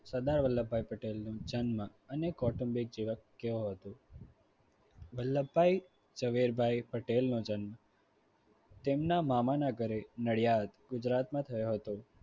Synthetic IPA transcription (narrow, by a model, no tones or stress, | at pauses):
səd̪aɾʋəlːəbʱajpəʈelnõd͡ʒənmə | ənekɔʈəmbik̚d͡ʒiʋəkːeõɦət̪o | ʋəlːəbbʱai | d͡ʒəʋiɾbʱajpəʈelnod͡ʒənmə | t̪emnamamanaɡəɾenəɭjad̪ɡʊd͡ʒɾat̪mãt̪ʰəjoɦət̪o